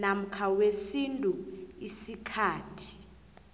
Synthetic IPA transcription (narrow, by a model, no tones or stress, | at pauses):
nam̩kʰawesintʼuisikʰaːtʰi̥